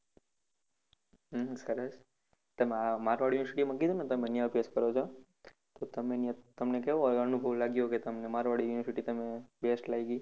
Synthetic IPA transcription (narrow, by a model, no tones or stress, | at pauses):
ɦsəɾəs | t̪əmeamaɾʋaɽjunəɾsiʈimãkid̪ʱunet̪əmenijãpeskəɾot͡ʃʰo | t̪ot̪əmenjt̪əmnekɛoənubʱəʋlaɡjoket̪əmnemaɾʋaɽijuniʋəɾsiʈit̪əmebesʈlaiɡi